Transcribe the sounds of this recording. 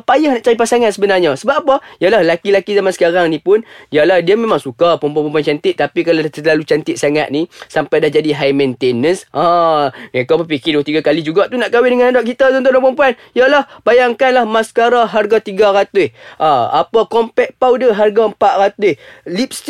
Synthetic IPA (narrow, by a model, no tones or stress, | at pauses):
pajahnaʔt͡ʃaɾipasaŋansəbənarɲasəbaʔapajalahlakilakizamansə̥kaɾaŋnĩpʊnjalahdiamemaŋsukapəmpuanpəmpuant͡ʃant̪ɪt̪̚t̪ːapikalaat̪əlalut͡ʃant̪ɪt̪̚saŋa̰t̪̚nisampajdahd͡ʒadiɦajmɛ̃nt̪enənsʔãŋekabəpikɪduat̪iɡakalid͡ʒuɡat̪unaʔkawɪdəŋanadaʔ̚kit̪at̪ɔnt̪̬ʊdapəmpuan | ijalahbajaŋkanlahmasə̥kaɾaɦarɡat̪iɡaɾat̪ʊhʔaa̰pakɔmpɛk̚pawdəɦarɡaəmpaʔ̪̚rat̪ulip̚s